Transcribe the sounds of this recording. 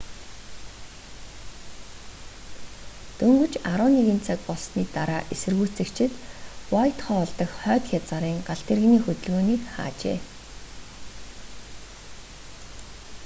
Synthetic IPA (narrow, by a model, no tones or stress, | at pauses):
t̪ɵŋɡɵ̆t͡ɕaɾʊːneɣiːnt͡sʰak̚pɔɮsniːt̪aɾaːʔesɘ̆rɣuːt͡sɘ̆kt͡ɕʰɪ̆t̪wɔjt̪χœːɔɮt̪ə̆xχœːt̪xʲat͡saɾiːŋɢaɬt̪ĕrɣniːxɵt̪ɵ̆ɮɣoːniːkχa̰ːt͡ɕḛː